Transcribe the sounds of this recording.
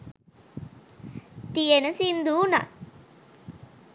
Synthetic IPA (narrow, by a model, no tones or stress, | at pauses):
t̪ijenəsind̪uːna̰